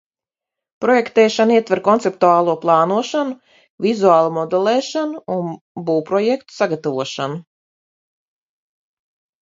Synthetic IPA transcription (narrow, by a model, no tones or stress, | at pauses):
pɾɔjɛkt̪ɛːʃaniɛt̪vɛɾkɔnt̪sep̚t̪uaːlˠuɔplˠɑːnuɔʃanu | vizuaːlˠumɔd̪elˠɛːʃanuun | buːpɾɔjɛkt̪u̥saɡat̪avuɔʃanu